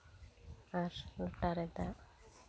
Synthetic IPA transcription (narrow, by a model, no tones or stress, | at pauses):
aɾluʈːaɾɛd̪a